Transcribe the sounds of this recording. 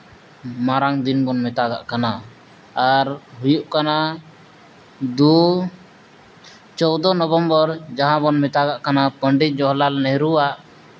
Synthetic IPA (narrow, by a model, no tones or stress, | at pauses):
maɾaŋd̪inbɔnmɛt̪aɡa̰ʔkanaː | ɾɦujuʔkana | d̪u | t͡ʃɔwd̪ɔnɔbɔmbɔɾd͡ʒaɦãbɔnmɛt̪aɡaʔkanapəɳɖic̪̚ˀd͡ʒɔɦlalnɛɾuwaʔ